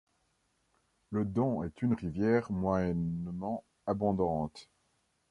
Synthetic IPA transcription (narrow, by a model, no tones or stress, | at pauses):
ləd̪ɔ̃ɛt̪ynʁivjɛʁmwaɛnmɑ̃ | abɔ̃d̪ɑ̃t̪